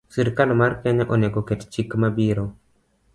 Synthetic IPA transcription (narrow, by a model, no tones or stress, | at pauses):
siɾkalmarkɛɲaʔonɛɡokɛtt͡ʃikmabiɾo